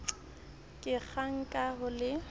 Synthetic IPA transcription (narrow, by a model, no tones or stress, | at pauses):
kʼɪk͡xʰaŋ̩kʼaɦʊlɪ